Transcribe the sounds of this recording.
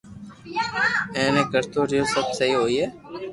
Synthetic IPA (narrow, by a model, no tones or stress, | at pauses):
ɛ̃ːnẽːkəɾt̪oːɾijoːsəbsəɦiːɦoːiːɦɛː